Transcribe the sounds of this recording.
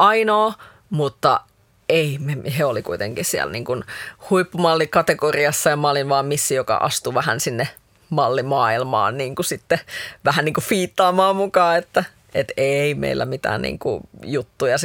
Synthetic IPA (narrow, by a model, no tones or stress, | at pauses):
ʔɑinoː | mut̪ːɑ | eimeheolikuit̪ḛŋkissiæ̰lnḭːŋkunhuipːumɑlːikɑt̪ekoriɑsːɑjɑmɑolːinʋɑːmmisːijokɑ̰ʔɑ̰st̪uʋæhæ̰nsinːe | mɑlːimɑːilmɑ̰ːnniːŋkusit̪ːeʋæhænniːŋkufiːt̪ːɑːmɑːmukɑːet̪ːæ | et̪eimḛilːʔæ̰mit̪æ̰ːnnḭːŋkṵjut̪ːujɑs